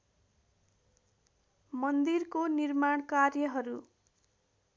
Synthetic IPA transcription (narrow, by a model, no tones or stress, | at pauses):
mʌnd̪irkonirmaɳkarjʌɦʌɾu